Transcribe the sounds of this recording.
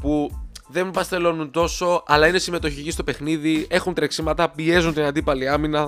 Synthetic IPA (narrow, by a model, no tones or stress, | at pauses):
puðe̞mbɐst̪e̞lo̞nunt̪o̞so̞ɐlɐinesime̞t̪o̞çicist̪o̞pe̞xniðie̞xunt̪ɾeksimɐt̪ɐpie̞zunt̪inɐnd̪ipɐliɐminɐ